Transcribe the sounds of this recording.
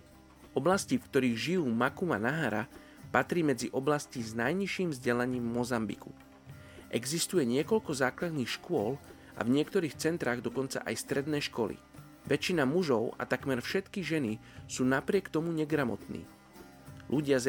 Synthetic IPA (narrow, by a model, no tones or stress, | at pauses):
ʔɔblascifkt̪ɔɾiːɣʒijuːmakumanaɦaɾa̰ | pat̪ɾiːmɛd͡ziʔɔblasciznajɲiʃiːmvzɟɛlaɲiːmːɔzambḭkṵ | ʔɛɡzist̪ujɛɲɪɛkɔʎkɔzaːklad̪niːxʃkʊɔl | a̰vɲɪɛkt̪ɔɾiːxt͡sɛnt̪ɾaːɣd̪ɔkɔnt͡sa̰ʔa̰jst̪ɾɛd̪nɛːʃkɔlḭ | ʋɛt͡ʃinamuʒɔʊa̰t̪akmɛɾfʃɛt̪kiʒɛnisuːnapɾɪɛkt̪ɔmuɲɛɡɾamɔ̰t̪nḭː | lʔuɟɪaz